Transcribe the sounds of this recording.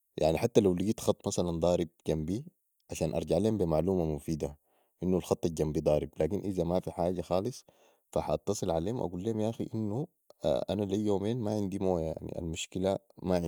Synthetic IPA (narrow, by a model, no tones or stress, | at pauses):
ja̰ʕniħat̪ːalawliɡiːt̪xɑt̪ˤːmasaland̪ˤɑːɾib̚ɟambi | ʕaʃaːnʔɑ̰ɾˤɟaʕleːmbimaʕluːmamufiːd̪a | ʔinːulxɑt̪ˤːɑlɟambid̪ˤɑːɾiblaːkinʔizamafiħaːɟaxɑːlɨsˤ | faħaʔɑt̪ːɑsˤɨlʕaleːumʔa̰ɡuːlːeːmjaʔxiʔinːṵ | ʔanalijjːoːmeːnmaʕind̪imoːjaʕnḭʔa̰lmuʃkila | maʕ